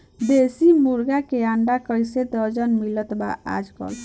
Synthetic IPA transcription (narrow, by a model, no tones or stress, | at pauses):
besimuɾɡakeaɳɖakəjsed̪əd͡ʒənmilət̪ba̰a̰d͡ʒkɔ̰l